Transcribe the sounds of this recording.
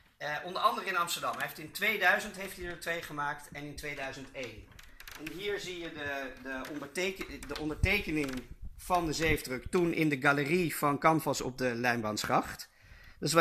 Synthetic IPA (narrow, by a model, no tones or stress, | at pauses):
ʔɔndəɹɑndəɾəɪnɑmstəɹdɑmɦejftɪntʋejdœɥzəntɦejftiətʋejχəmaːk̚tɛnɪntʋejdœɥzəntejn | ɛnɦiːɹzijədədəɔndəɹtekdəʔɔndəɹtejkənɪŋv̥ɑndəzejvdrəktunʔɪ̰ndəɡaləriv̥ɑnkɑmfɑsɔ̰b̚dəlɛjmbɑnsχɑχt | dɑɪs̬